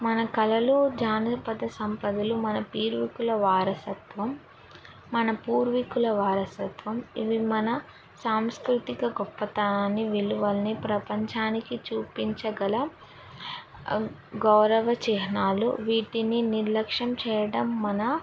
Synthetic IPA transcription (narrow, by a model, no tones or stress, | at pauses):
mɐnɐkɐlɐlud͡ʒaːnɐpɐd̪ɐsɐmpɐd̪ulumɐnɐpiːɾʋikulɐʋaːɾɐsɐt̪ʋɐmː | ɐnɐpuːɾʋikulɐʋaːɾɐsɐt̪ʋɐmiʋimɐnɐ | saːmskɾut̪ikɐɡɔpːɐt̪aːnɐniʋiluʋɐlɐnipɾɐpɐɲt͡ʃaːnikit͡ʃuːpiɲt͡ʃɐɡɐlɐ | ɡɐwɾɐʋɐt͡ʃɛɦɐnaːlṵʋiːʈininiɾlɐkʂɐmt͡ʃɛːjɐɽɐmːɐnɐ